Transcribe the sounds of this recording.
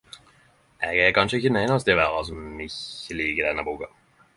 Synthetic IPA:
ʔɛɡɛkɑnʃəɪçənɛɪnɑs̬t̪əʋæːɾɑs̬ɔmɪçəliːɡəd̪ɛnːəbuːkɑ

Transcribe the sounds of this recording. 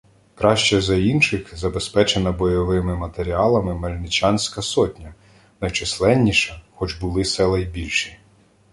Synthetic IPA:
kɾɑʃt͡ʃɛzɐinʃɪxzɐbespɛt͡ʃenɐbɔjɔʋɪmɪmɐt̪eɾʲiɑlˠɐmɪmɐlʲnɪt͡ʃʲɑnʲsʲkɐsɔtʲnʲɐ | nɐjt͡ʃɪslˠɛnʲːiʃɐxɔd͡ʒbʊlˠɪsɛlˠɐjbʲilʲʃi̥

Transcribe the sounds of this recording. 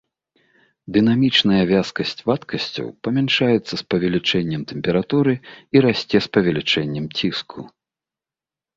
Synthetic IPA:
d̪ɨnamʲit͡ʂnɐjɐvʲaskɐsʲt͡sʲvat̪kɐsʲt͡sʲɐ̰wpɐmʲɛnʂajɛt̪sːɐspɐvʲɛlʲit͡ʂɛnʲːɛmt̪ɛmʲpʲɛɾat̪uɾɨiɾasʲt͡sʲɛspɐvʲɛlʲit͡ʂɛnʲːɛmt͡sʲiskʰu

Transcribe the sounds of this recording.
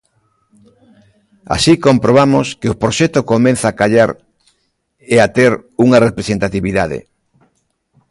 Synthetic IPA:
a̰sikompɾoβ̞amoskeopɾoʃɛt̪okomẽnθaːkaʎaɾ | eat̪eɾuŋɐrepɾesent̪at̪iβiðaðḛ

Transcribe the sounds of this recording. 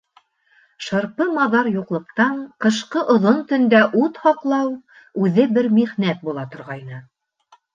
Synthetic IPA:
ʃɤ̆ɾpɤmɑðɑɾjuqlˠɤ̆q̚t̪ɑɴqɤ̆ʃqɤʔŏðont̪ɵ̆nd̪æʔut̪hɑqlˠɑw | ʉðɘbɘɾmiʁnæt̪̚bulˠɑt̪ŏɾʁɑjnɤ

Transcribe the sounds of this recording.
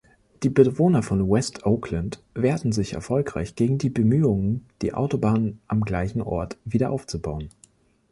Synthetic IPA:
d̥iːbəvoːnɐfɔnwɛstʰʔoʊkʰləntveːɐtn̩zɪçɛ̰ɐfɔlkʁ̥a̰ɪçɡ̥eːɡŋ̩diːbəmyːʊŋənd̥ḭːʔa̰ʊtobaːnənʔamɡlaɪçn̩ʔɔ̰ɐtv̥iːdɐʔaʊft͡subaʊən

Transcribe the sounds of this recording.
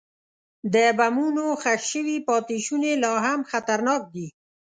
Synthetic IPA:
d̪əbamunoxaxʃəwipɑt̪iʃunelɑɦamxat̪aɾnɑk̚d̪i

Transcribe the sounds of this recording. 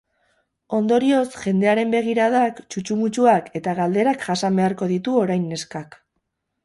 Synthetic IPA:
o̞nd̪o̞ɾio̞sʝe̞nd̪e̞aɾe̞mbe̞ɣ̞iɾaðakt͡ʃut͡ʃumut͡ʃuake̞t̪aɣald̪e̞ɾakʝasambe̞aɾko̞ð̞it̪uo̞ɾajnːe̞skak

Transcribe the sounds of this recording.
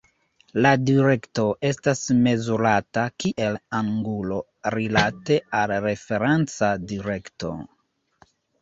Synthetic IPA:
ladiɾe̞kto̞ʔe̞stasme̞zuɾatakiʔe̞laŋɡulo̞ | ɾilate̞alɾe̞fe̞ɾent͡sadiɾe̞kto̞̰

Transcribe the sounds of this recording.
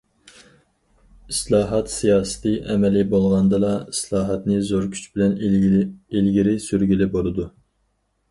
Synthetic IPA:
islˠɑːɦɑt̪sijɑːsɨ̥t̪ʰɨʔɛmɛlɪbolˠʁɑnd̪ɨlˠɑislˠɑːɦɑt̪nɨzoɾkʲʰy̥t͡ʃbɪlɛn | ilɡʲiɾɪsyɾɡʲilɪbolˠɨd̪u

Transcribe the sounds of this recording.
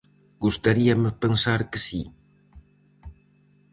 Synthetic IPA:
ɡ̥ust̪aɾiɐmɪpensaɾkɪsi

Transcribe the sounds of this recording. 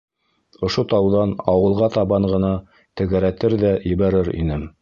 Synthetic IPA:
ŏʃot̪ɑwðɑnɑwɤ̆lˠʁɑt̪ɑβɑɴɢɤ̆nɑ | t̪ɘ̆ɡæɾæt̪ɘɾðæjɘ̆βæɾɘɾḭnɘm

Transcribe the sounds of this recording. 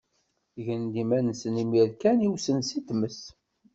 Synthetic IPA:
ʝənd̪imænəsənimiɾkæniwsənsit̪məs

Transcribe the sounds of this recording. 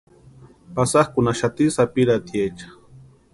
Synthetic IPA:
pasaχkʊnaʃat̪isapiɾat̪jat͡ʃḁ

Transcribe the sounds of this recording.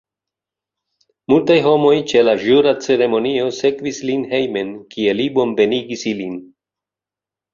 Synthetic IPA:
multajɦo̞mo̞jt͡ʃe̞laʒuɾat͡se̞ɾe̞mo̞nio̞se̞kvislinhe̞jme̞nkie̞libo̞mbe̞niɡisilin

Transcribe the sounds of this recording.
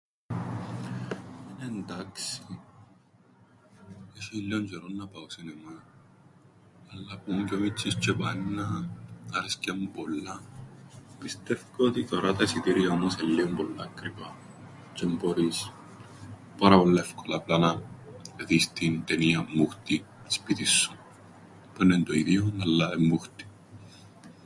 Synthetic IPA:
enent̪aksi | eʃilːont͡ʃeɾonːɐpawsinema | lːapuŋkʲomit͡ʃːist͡ʃepainːɐː | ɾiskampolːa | pist̪efkoot̪ikoɾɐt̪ɐsit̪iɾiaomoselːiompolːakɾipɐ | t͡ʃemboɾis | pɐɾɐpolːɐefkolaplanɐ | ðist̪int̪eniɐmːuxt̪ii̥spit̪isːu | penːent̪oiðionɐlːaemːuxt̪i̥

